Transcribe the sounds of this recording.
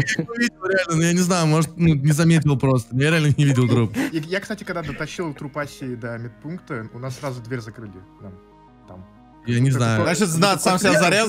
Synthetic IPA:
jnʊvʲidʲɪlˠɾʲɪalʲnənujanʲɪznajʊmo̞ʐət̪nunʲɪzɐmʲet̬ʲɪlˠpɾo̞st̪ənjaɾʲɪalʲnənʲɪvʲidʲɪlˠt̪ɾupijakst̪atʲɪkɐɡd̪ad̪ət̪ɐɕːilˠt̪ɾʊpasʲɪd̪əmʲɪt̪̚punkt̪əʊnasːɾazʊd̪vʲeɾʲzɐkɾɨlʲɪnam | t̪a̰m | janʲɪznajʊnat͡ɕɪt̪znat̪samsʲazɐɾʲaz

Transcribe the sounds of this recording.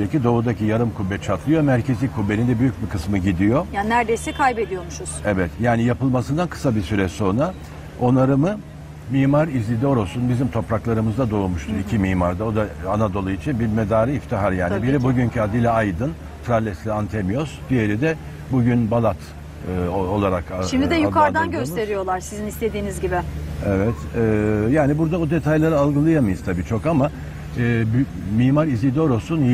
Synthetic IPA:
ecʰid̪o̞ud̪acʰijaɾɯmkʰubːɛt͡ʃʰat̪ʰlˠɯjomæɾcʰe̞zlʲikʰːubːenind̪ɛbyjyc̚bikʰɯsmɯɟid̪ijo̞janæɾd̪ejsɛkʰajbed̪ijo̞muʃuz̥evɛt̪jaːnijapɯlˠmasɯnd̪ankʰɯ̥sabisyɾɛso̞nɾa | o̞naɾɯmɯ | miːmaɾizlʲid̪io̞ɾosunbizimt̪ʰo̞pɾaklˠaɾɯmɯzd̪ad̪oumuʃt̪ʰuɾicʰimiːmaɾd̪ao̞d̪aanad̪o̞lˠuit͡ʃʰinbiɾmed̪aːɾɯift̪ʰiɦaɾjaːnibiɾɛbuɟyncʰyad̪ilʲaajd̪ɯn | t̪ʰɾalʲɛslʲiant̪ʰemijosd̪̥ije̞ɾid̪ɛ | buɟynbalˠat̪ː | oo̞lˠaɾakʃimd̪iid̪ɛjukʰaɾd̪anɟø̞sse̞ɾijo̞lˠaɾsizinist̪e̞d̪iːnizɟibɪevɛt̪ɛːjaːnibuɾd̪aod̪e̞t̪ʰajlˠaɾɯalˠɡɯlˠajamajɯzt̪ʰabiːt͡ʃʰo̞kama | b | miːmaɾizlʲid̪o̞ɾo̞sunj

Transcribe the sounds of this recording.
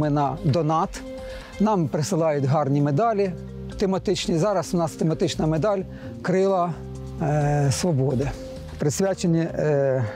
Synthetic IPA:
mɪnɐd̪ɔnɑt̪ | nɑmpɾɪsɪlˠɑjʊtʲɦɑrnʲimed̪ɑlʲi | t̪emɐt̪ɪt͡ʃnʲizɑɾɐsʊnɑst̪emɐt̪ɪt͡ʃnɐmed̪ɑlʲ | kɾɪlˠɐ | sʋɔbɔd̪ɪ | pɾɪsʲʋʲat͡ʃenʲi

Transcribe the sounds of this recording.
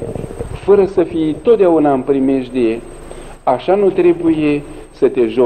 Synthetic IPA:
fəɾəsəfijt̪o̞t̪d̪eaunaɨmpɾimeʃd̪e̞ | aʃanut̪ɾe̞buje̞ | sət̪e̞ʒo

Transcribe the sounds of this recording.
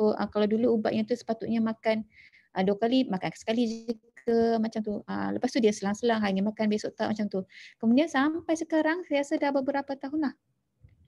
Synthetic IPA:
ʔə̰kalawduluːba̰ʔɲat̪usə̥pat̪uʔ̪̚ɲamakan | ʔəduakalimakankḁsə̥kalid͡ʒikəmat͡ʃamt̪uə̰ləpast̪udiasəlaŋsəlaŋɦaɲamakanbesoʔt̪aʔmat͡ʃamt̪ukəmudiansampajsəkaɾaŋsəiasadabəbəɾapat̪aɦunlah

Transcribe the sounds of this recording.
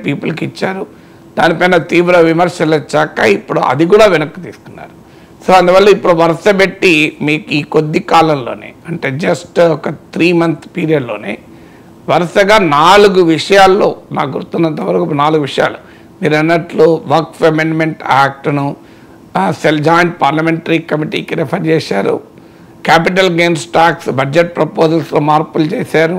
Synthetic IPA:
piːpulɐkit͡ʃːaːɾu | d̪̥aːnipɐjnɐt̪iːʋɾɐʋimɐɾʂɐlɐt͡ʃːɛːkːaipːuɽṵɐ̰d̪iɡuːɽaːʋinɐkːɐt̪iːsu̥kunːa̰ːɾu | soːɐnd̪uʋɐlːɐipːuɽuʋɐɾɐʂɐbe̞ʈːimiːkiːkod̪ːikaːlɐmlo̞̰ːne̞̰ːɐɳʈe̞ːd͡ʒɐsʈɔkɐt̪ʰɾiːmɐnt̪ʰpiːɾijɐɖlo̞ːnḛː | ʋɐɾɐʂɐɡaːnaːluɡuʋiʂɐjaːlːo̞̰ːna̰ːɡuɾt̪unːɐnt̪ɐʋɐɾɐkunaːluɡuʋiʂɐja̰ːlu | miːɾɐnːɐʈloʋɐɾkfemenmeɳʈaːk̚ʈnu | seld͡ʒaːjɳʈ̚paːɾlɐmeɳʈɐɾikɐmiʈḭːkiɾepʰɐɾt͡ʃɛːsaːɾṵ | kaːp̬iʈ̬ɐlɡeːnsʈaːksbɐd͡ʒeʈ̚pɾɐpoːzɐlsloːmaːɾpult͡ʃeːsaːɾu

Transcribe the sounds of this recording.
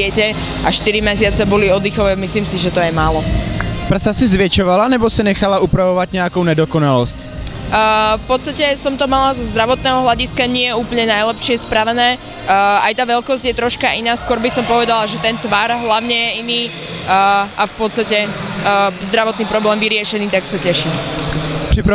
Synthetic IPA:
ɛcɛ | ʔaʃt̪iɾimɛsɪat͡sɛbɔliɔd̪ixɔʋɛːmisliːmsiʒɛt̪ɔjɛmaːlɔpr̩sasizʋjɛt͡ʃɔʋalanɛbɔsinɛxalaʔupɾavɔvat̪ɲɛjakoʊnɛdɔkɔnalɔscː | fpɔt̪st̪acɛsɔmt̪ɔmalazɔzd̪ɾaʋɔt̪nɛːɦɔɦlʎaɟiskaɲɪɛjɛuːpl̩ɲɛnajlɛpʃɪɛspɾaʋɛnɛː | ajt̪aːʋɛlkɔzɟjɛt̪ɾɔʃkaʔinaːskʊɔɾbisɔmpɔʋɛd̪alaʒɛt̪ɛnt̪ʋaɾɦlaʊɲɛjɛiniː | ʔafpɔt̪st̪acɛ | zd̪ɾaʋɔt̪niːpɾɔblɛːmʋiɾɪɛʃɛniːt̪aksacɛʃiː | pr̝̥ipɾ

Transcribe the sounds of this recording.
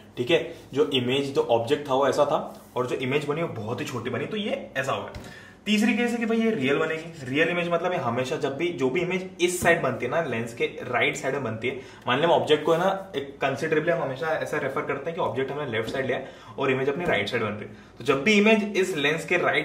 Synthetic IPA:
ʈʰiːkɦɛːd͡ʒoːʔɪmeːd͡ʒd͡ʒoːʔɔːp̚d͡ʒek̚ʈ̚t̪ʰaʋoɛːsat̪ʰaɔːɾd͡ʒoːʔɪmeːd͡ʒbɐniobɔːʊt̪ɦit͡ʃʰoːʈibɐnit̪ojeɛːs̬aɦoːɡa̰ː | t̪iːs̬ɾik̬eːsɦɛkibʱɐɦijeɾiːjəlbɐneːɡiɾijəlɪmeːd͡ʒmɐt̪ləbeɦɐmeːʃad͡ʒɐbʱːid͡ʒoːbʱiɪmeːd͡ʒɪsːaːɪɖbɐnt̪iɦɛnalɛ̃nskeɾaːɪʈsaɪɖmẽbɐnt̪iɦɛː | maːnəlemeɔːb̚d͡ʒek̚ʈ̚koɦɛnaeːkːɐ̃nsɪɖɾeːbliɦɐ̃mɦɐmeːʃaɛːsaɾefəɾkɐɾt̪ẽɦɛ̃kiɔːp̚d͡ʒek̚ʈɦɐmnelɛːfʈsaːɪɖliːjaɛ | ɔːɾɪmeːd͡ʒɐpniɾa̰ɪʈsaːɪɖbɐ̃nt̪iɦɛ | t̪od͡ʒɐbːiɪmeːd͡ʒɪslɛ̃nskeɾaːɪʈ

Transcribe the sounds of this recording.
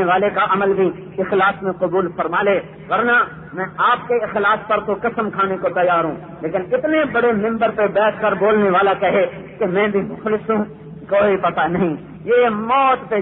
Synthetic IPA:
eʋaːlekaʔɐməlbʱi | ɪxlaːsmẽqʊbuːlfɐɾmaːleː | ʋɐɾna | mɛ̃aːp̚keɪxlaːspɐɾt̪okɐsəmkʰaːnekot̪ɐjaːɾɦũː | leːkɪnɪt̪nebɐɽemɪ̃mbəɾpebɛːt̪ʰkɐɾboːlneʋaːlakɐɦe | kemɛ̃ːbʱimʊxlɪsɦũ | koːipɐt̪anɐɦĩ | jemɔːt̪pe

